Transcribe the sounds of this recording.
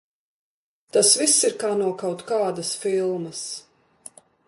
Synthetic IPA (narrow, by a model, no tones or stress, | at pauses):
t̪asvisːiɾkaːnuɔkawt̪kaːd̪asfilˠmɐs